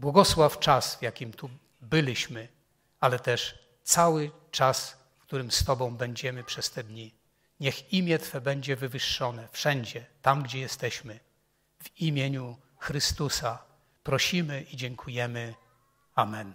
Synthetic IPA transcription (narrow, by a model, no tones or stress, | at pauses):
bwɔɡɔswaft͡ʂasvjakʲimt̪u | bɘlʲiɕmɘ | alɛt̪ɛʂ | t̪sawɘ | t͡ʂas | fkt̪uɾɘmst̪ɔbɔ̃w̃bɛɲd͡ʑɛmɘpʂɛst̪ɛd̪ɲi | ɲɛximʲjɛt̪fɛbɛɲd͡ʑɛvɘvɘʂːɔnɛfʂɛɲd͡ʑɛt̪amɡd͡ʑɛjɛst̪ɛɕmɘ | vimʲjeɲu | xɾɘst̪usa | pɾɔɕimɘʔid͡ʑɛŋkʰujɛmɘ | amɛn